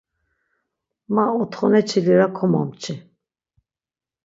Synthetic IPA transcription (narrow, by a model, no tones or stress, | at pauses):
maɔt̪χɔnɛt͡ʃʰiliɾakʰɔma̰mt͡ʃʰi